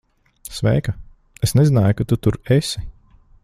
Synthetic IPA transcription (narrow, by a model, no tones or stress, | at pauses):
svɛ̰jka | esnɛzinaːjukat̪ut̪uɾesi